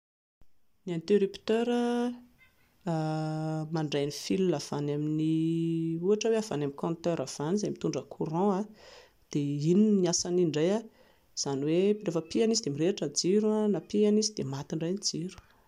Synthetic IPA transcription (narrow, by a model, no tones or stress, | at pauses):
niant̪eɾipt̪øɾə | maɳɖ͡ʐajnifilulav̥anamini | uaʈ͡ʂəweava̰namikɔ̃nt̪øɾav̥anizajmit̪uɳɖ͡ʐəkʰuɾɔ̃a | d̪̥eininiasaniɳɖ͡ʐaja | z̥anwerefəpianizid̪emiɾeʈ͡ʂənd͡ziɾuanapianizid̪emat̪iɳɖ͡ʐajnid͡ziɾu̥